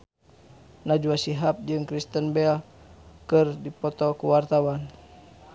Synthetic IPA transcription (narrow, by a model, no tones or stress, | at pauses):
nad͡ʒuasiɦap̚d͡ʒɨŋkɾist̪ənbɛl | kɨrdipɔt̪ɔkuwart̪awan